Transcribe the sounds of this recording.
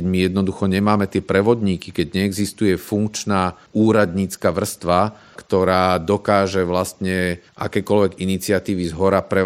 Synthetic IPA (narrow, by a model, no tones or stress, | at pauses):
ɛmijɛd̪nɔd̪uxɔɲɛmaːmɛt̪ɪɛpɾɛʋɔd̪ɲiːkikɛɟɲɛːɡzist̪ujɛfuŋkt͡ʃnaː | uːɾad̪ɲiːt͡skaʋr̩st̪ʋa | kt̪ɔɾaːd̪ɔkaːʒɛʋlast̪ɲɛʔa̰kɛːkɔlʋɛɡinit͡siat̪iːʋizɦɔɾapɾɛ